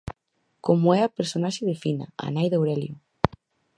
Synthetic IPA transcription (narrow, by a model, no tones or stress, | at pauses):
komʊɛɐpeɾsonaʃɪðɪfinɐ̰a̰najðowɾɛljo